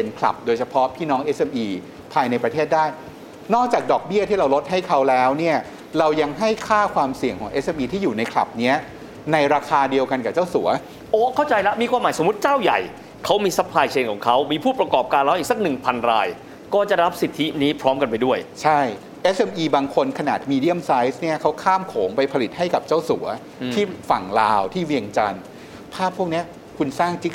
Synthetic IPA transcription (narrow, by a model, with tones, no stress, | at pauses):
pe˧nkʰla̰˨˩p̚doː˧jt͡ɕʰpʰɔ˦˥pʰiː˥˩nɔː˦˥ŋʔe˦˥sʔe˧mʔiː˧ | pʰaː˧jna˧jpɾa˧t̪ʰeː˥˩t̪̚daː˥˩j | nɔː˥˩k̚t͡ɕaː˨˩k̚dɔː˨˩k̚bi˥˩ɐt̪ʰiː˥˩ɾa˧wlo˦˥t̪̚hɦa˥˩jkʰa˦˥wlɛː˦˥wni˥˩ɐ | ɾa˧wja˧ŋɦa˥˩jkʰaː˥˩kʰwaː˧msi˨˩əŋkʰɔː˩˦ŋʔe˦˥sʔe˧mʔiː˧t̪ʰiː˥˩juː˨˩na˧jkʰla̰˨˩p̚ni˦˥ɐ | na˧jɾaː˧kʰaː˧di˧əwka˧nkaː˨˩t͡ɕa˥˩wsu˨˩˦ɐ | ʔoː˦˥kʰa˥˩wt͡ɕa˧jla˦˥miː˧kʰwaː˧mːaː˨˦jso˩˦mu˦˥t̪̚t͡ɕaː˥˩wja̰˨˩j | kʰa˦˥wmiː˧sa˦˥pʰlaː˧jt͡ɕʰeː˧nkʰɔː˩˦ŋkʰa˦˥wmiː˧pʰuː˥˩pɾa˧kɔː˨˩p̚kaː˧nla˦˥wʔiː˨˩k̚sa˦˥k̚nɯ˨˩ŋpʰa˧nɾaː˧j | kɔː˥˩t͡ɕa˨˩ɾa˦˥p̚si˨˩t̪ʰːi˦˥niː˦˥pʰɾɔː˦˥mka˧np̬a˧jdu˥˩əjt͡ɕʰa˥˩j | ʔe˦˥sʔe˧mʔiː˧baː˧ŋkʰo˧nkʰa˧naː˨˩t̪̚miː˧di˥˩əmsa˦˥jsni˥˩ɐkʰa˦˥wkʰaː˥˩mkʰoː˩˦ŋpa˧jpʰa˧li˨˩t̪̚ha˥˩jka˨˩p̚t͡ɕa˥˩wsu˩˦ɐ | t̪ʰiː˥˩fa˨˩ŋlaː˧wt̪ʰiː˥˩wi˧əŋt͡ɕa˧n | pʰaː˥˩pʰːu˥˩k̚ni˦˥ɐ | kʰu˧nsaː˥˩ŋt͡ɕi˦˥k̚